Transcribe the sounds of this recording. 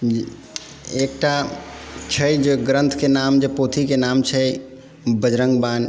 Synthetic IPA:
ekʈa | t͡ʃʰəjd͡ʒeɡɾə̃nt̪ʰkenamd͡ʒepot̪ʰikenamt͡ʃʰə | bəd͡ʒɾəŋɡban

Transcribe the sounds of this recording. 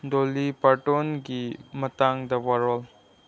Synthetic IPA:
dolipaɾʈonɡimɐtaŋd̪ɐwaɾɔl

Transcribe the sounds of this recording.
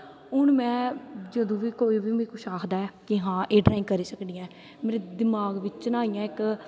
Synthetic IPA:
ʊɳmɛ̃ːd͡ʒəd̪õːʋiːkoːiːbiːmiːkʰʊʃʰaːkʰd̪aːɛːkɪɦãːʔeːɖɾaːɪ̃ŋɡkəɾiːsəkd̪ijãː | meːɾed̪ɪmaːɡʋɪt͡ʃt͡ʃnãːijãːɪk

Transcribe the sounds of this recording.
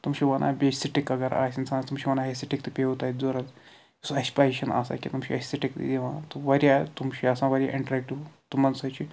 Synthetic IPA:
t̪umʃiʋɐnʔa̰ːbʲesiʈikɐɡɐɾa̰ːsinsaːnt̪umʃiʋɐnaːɦesiʈikt̪ɨpʲeut̪aːd̪oɾɐt | sɐsʲpaɾiʃɐna̰sa̰ːkʲḭt̪umʃʰiɐsiʈikt̪ḭd̪eʋãːt̪oʋɐɾʲjat̪umʃiɐsãːʋɐɾʲjaʔiɳʈɾek̚ʈiʋt̪umɐnsɐt͡ʃʰi

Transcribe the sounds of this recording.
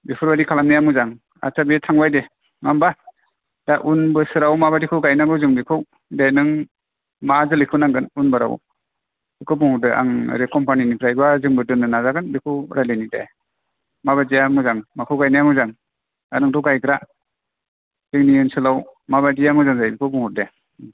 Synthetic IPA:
bipʰɯɾbadikʰalamnajamɯzaŋ | a̰t͡ʃabetʰaŋbajde | ŋamba | d̥aʔunbɯsɯɾawmabadikʰuwɡajnaŋɡɯwzɯŋdikʰɯw | dajnɯŋ | mazɯlikʰɯwnaŋɡɯnunbɯɾa̰w | dɯkʰɯwbuŋhudɯʔa̰ŋɾekʰɔmpaninipʰɾajbazɯŋbɯdɯnɯnazaɡɯnbikʰuɾalenidḛ | maβadijamɯzaŋmakʰuwɡajnajaŋɯzaŋ | anɯŋdɔwɡajkɾa | zɯŋniɯnsɯlawmaβadijamɯzaŋzajbikʰɯbuŋhude

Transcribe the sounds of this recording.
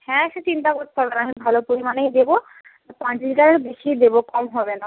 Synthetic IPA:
hɛ̃ʃet͡ɕint̪akoɾt̪ːɦɔbenaʃebʱalopoɾimanejd̪ebo | pãt͡ɕd͡ʑɡaɾeɾbeʃijd̪ebokɔmɦɔbena

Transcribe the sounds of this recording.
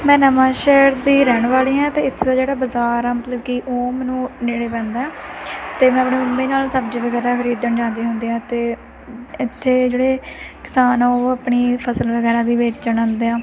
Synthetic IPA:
mɛ̃ːnəmãːʃɛːɾd̪iːɾɛːɳ̃ʋaːliːãːt̪eːɪt̪ʰːd̪aːd͡ʒeːɽaːbəzaːɾɛːmət̪ləbkiʔoːmɛ̃ːnũːneːɽeːpɛ̃ːnd̪aːɛːt̪eːmɛ̃ːəpɳeːʊmbeːnaːlsəbd͡ʒiːʋəɡɛːɾaːkʰəɾiːd̪əɳd͡ʒãːnd̪iːɦʊnd̪iːãːt̪eː | ɪt̪ʰːeːd͡ʒeːɽeːkɪ̥saːnaːoːəpɳiːpʰəsəlʋəɡɛːɾaːbiːʋeːt͡ʃd͡ʒəɳãːnd̪eːãː

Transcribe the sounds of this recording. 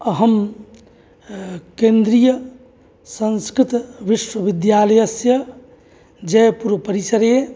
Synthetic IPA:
əɦəm | kẽnd̪ɾijə | sə̃nskɾɪt̪ʋiswəʋid̪jaləjəsjə | d͡ʒɛpuɾʋəpəɾisəɾe

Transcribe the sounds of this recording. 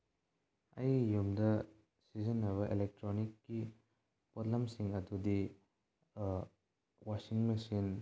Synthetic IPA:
ɐjjumdɐ | sizɐnːɐβɐʔelek̚tɾonikːi | potlɐmsiŋɐdudi | wasiŋmesin

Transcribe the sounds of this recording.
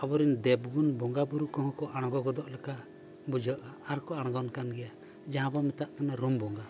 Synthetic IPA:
abɔɾind̪ɛbɡunbɔŋɡabuɾukɔɦɔ̃kɔʔaɽ̃ɔɡɔɡɔd̪ɔʔlɛka | bud͡ʒɔʔaaɾkɔaɽ̃ɡɔnkanɡɛja | d͡ʒaɦãbɔmɛt̪aʔkanaɾumbɔŋɡa

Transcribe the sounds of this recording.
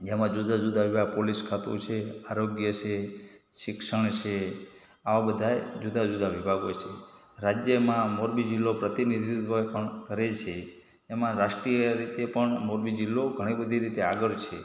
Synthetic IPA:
d͡ʒemãd͡ʒud̪ʱad͡ʒud̪ʱaʋibʱaɡ̚poliskʰat̪ut͡ʃʰeaɾoɡjət͡ʃʰeʃɪkʃəɳ̃t͡ʃʰe | aʋabəd̪ʱaed͡ʒud̪ʱad͡ʒud̪ʱaʋibʱaɡot͡ʃʰe | ɾad͡ʒjəmãmoɾbid͡ʒilːopɾət̪inid̪ʱit̪ʋəpəɳkəɾet͡ʃʰeː | mãɾaʃʈɾijəɾit̪epəɳmoɾbid͡ʒilːoɡʱəɽ̃ibəd̪ʱiɾit̪eaɡəɭt͡ʃʰe

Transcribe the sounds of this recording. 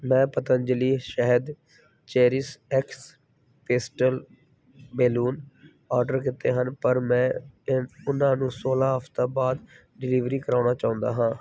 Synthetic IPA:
mɛ̃ːpət̪ənd͡ʒəliːʃəɦəd̪ | t͡ʃeːɾɪsɛks | peːsʈəl | beːluːn | aːɾɖəɾkɪt̪ːeːɦənpəɾmɛ̃ː | ʊnãːnũːsoːlaːɦəft̪ãːbaːd̪ | ɖɪliːʋɾiːkəɾaːnaːt͡ʃaːʊ̃nd̪a̰ːɦãː

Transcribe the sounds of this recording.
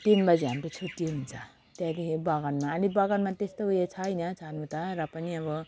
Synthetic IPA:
t̪inbʌd͡ziɦamɾet͡sʰoʈioɦunt͡sʰʌ | t̪jãd̪ikʰebaɡʌnmaːlibʌɡʌnmat̪est̪oujet͡sʰʌjnʌt͡sʰanut̪ʌɾʌpʌniʌbʌ

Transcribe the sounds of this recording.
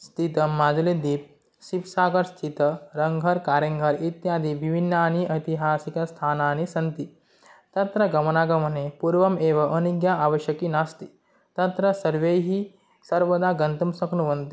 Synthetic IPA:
st̪ʰit̪ɐmaːd͡zuled̪iːp̚ | sipsaːɡɐɾst̪ʰit̪ɐɾɐŋɡʱɐɾkaːɾjɐŋɡʱɐɾit̪jaːd̪iʋibʱinːaːniʔɐjt̪iɦaːsikɐst̪ʰaːnaːnisɐnt̪i | t̪ɐt̪ɾɐɡɐmɐnaːɡɐmɐnepuɾʋɐmeːʋɐʔɐniɡjaaʋɐʃjɐkinast̪i̥ | t̪ɐt̪ɾɐsɐɾʋejɦi | sɐɾʋɐd̪aːɡɐnt̪umsɐknuʋɐnt̪i

